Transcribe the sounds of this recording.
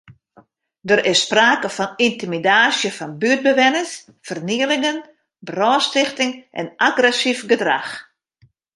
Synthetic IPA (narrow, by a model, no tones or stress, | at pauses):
dəɾɪsːpraːkəfɔnintimidaːsjəfɔnbyət̚bəʋɛnəs | fərniəlɪŋən | brɔːstɪxtɪŋʔɛ̰nʔaɡrɛsifɡədra̰x